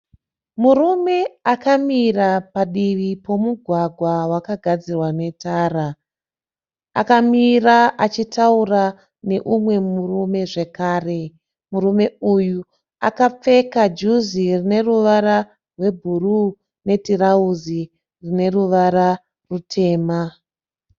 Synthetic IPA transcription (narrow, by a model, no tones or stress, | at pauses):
murume̞akamirapaɗiʋipo̞muɡʱwaɡʱwawakaɡʱad͡zirwane̞taːra | a̰kamiraat͡ʃitaura | ne̞ʔumwe̞murume̞ʐe̞kaːre̞ | muɾume̞uju | a̰kap͡fe̞kad͡ʒuzirine̞ruʋaɾa | rwe̞bʱuru | ne̞tirauzi | rine̞ruʋaɾa | rutʰe̞ːma